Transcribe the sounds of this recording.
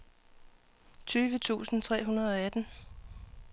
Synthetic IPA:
t͡sʰyːʋət͡sʰṵːsn̩t͡sʰʁɛ̰ːɦunɐð̞̩ˠɒ̽æd̥n̩

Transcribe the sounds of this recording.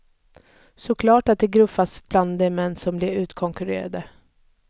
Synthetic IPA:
sɔkʰlɑːʈat̪̚d̪ɛɡɾɵfasb̥land̪ɛmɛnːsɔmblɪɾʉ̟ːt̪kʰɔŋkɵɾḛːɾa̰d̪ə

